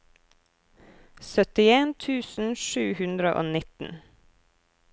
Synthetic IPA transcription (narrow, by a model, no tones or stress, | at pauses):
sœt̪ɪeːnt̪ʰʉːsn̩ʃʉːhʉnd̪ɾəʔo̰ːnɪt̪n̩